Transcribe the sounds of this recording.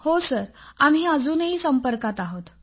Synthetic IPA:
hosəɾamɦiːəd͡zuːnəɦiːsəmpəɾkat̪aɦot̪

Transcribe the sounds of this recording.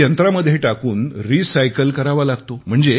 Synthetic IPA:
ənt̪ɾaməd̪ʱjeʈakuːnɾisajkəlkəɾaʋalaɡt̪om̤əɳd͡ze

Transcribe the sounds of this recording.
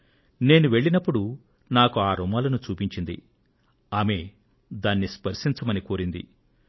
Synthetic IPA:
ne̞ːnuʋe̞ɭːinɐpːuɽu | naːkuaːɾumaːlɐnut͡ʃuːpiɲt͡ʃind̪ḭ | aːme | d̪aːnːispɐɾʂiɲt͡ʃɐmɐnikoːɾind̪ḭ

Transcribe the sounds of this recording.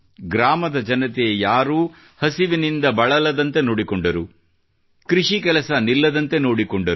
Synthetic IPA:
ɡɾaːmɐd̪ɐd͡ʒɐnɐt̪̬ejaːɾuː | hɐsiʋinind̪ɐbɐɭɐlɐd̪ɐnt̪e̞noːɽikɔɳɖɐɾu | kɾiʂikɛlɐsɐnilːɐd̪ɐnt̪e̞noːɽikɔɳɖɐɾ

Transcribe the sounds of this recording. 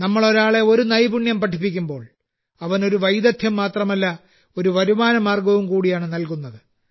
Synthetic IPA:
nɐmːɐɭo̞ɾaːɭe̞o̞ɾunɐjbuɳjɐmpɐʈʰːipːikʲːumbo̞ːɭ | ɐʋɐno̞ɾuʋɐjd̪ɐt̪ʰjɐmːaːt̪rɐmɐlːɐ | o̞ɾuʋɐɾumaːnɐmaːrɡɐʋumkuːɽijaːɳɨnɐlkunːɐðɨ

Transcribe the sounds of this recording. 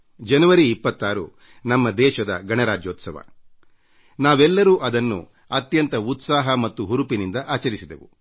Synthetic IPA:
d͡ʒɐnuʋɐɾiːpːɐt̪ːaːɾṵ | nɐmːɐd̪ɛːʃɐd̪ɐ̰ɡɐɳɐɾaːd͡ʒjoːt̪sɐʋɐ̰ | naːʋɛlːɐɾuːʔɐd̪ɐnːṵ | ɐt̪jɐnt̪ɐut̪saːɦɐmɐt̪ːuɦuɾupinind̪ɐʔaːt͡ʃɐɾisid̪ḛʋṵ

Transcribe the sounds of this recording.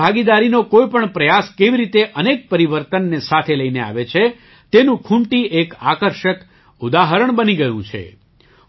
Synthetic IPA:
aɡid̪aɾinokoipəɳpɾəjaskeʋiɾit̪eʔənek̚pəɾiʋəɾt̪ənːesat̪ʰeləinea̰ʋet͡ʃʰe | t̪enũkʰũɳʈiʔeka̰kəɾʃək | ud̪aɦəɾəɳbəniɡəjũt͡ʃʰḛ

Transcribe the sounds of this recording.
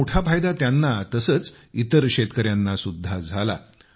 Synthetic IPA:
oʈʰapʰajd̪at̪janːat̪əsəːt͡s | it̪əɾkɕet̪kəɾjanːasud̪ʱːad͡zʱala̰

